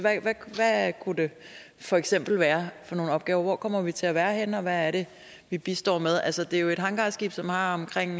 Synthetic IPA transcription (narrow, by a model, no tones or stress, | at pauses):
ʋæʋæʋækʰud̥e̝ | fɒ̽eɡ̥sem̰b̥l̩ʋæːɐfɒ̽no̝ːn̩ɒ̽b̥̚ɡ̥ɛːʊɐʋɒ̰ːkʰɒ̽m̰ɐʋit͡sʰe̝æʋæːɐɦenɒ̽ʋæːɐɾ̥e̝ | ʋib̥isd̥ɒ̰ːmeðˠʔælsəd̥e̝æjoe̝d̥ɦɑ̈ŋɡ̥ɑ̈ːsɡ̥ḭːb̥sɒ̽mhɑ̈ɒ̽mkʰʁeŋ̰